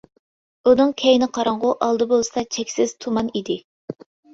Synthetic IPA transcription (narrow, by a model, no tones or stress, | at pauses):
unɨŋkʲʰɛjnɪqʰɑɾɑɴʁʊʔɑlˠd̪ɨbolˠɨsɑt͡ʃʰɛkʲsɪz̥t̪ʰumɑnid̪ɪ